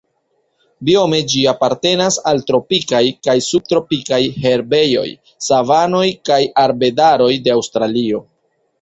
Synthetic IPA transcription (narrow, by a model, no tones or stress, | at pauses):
bio̞me̞d͡ʒiapaɾte̞nasaltɾo̞pikajkajsub̚tɾo̞pikajhe̞ɾbe̞jo̞̰j | savano̞jkajaɾbe̞daɾo̞jde̞awstɾalio̞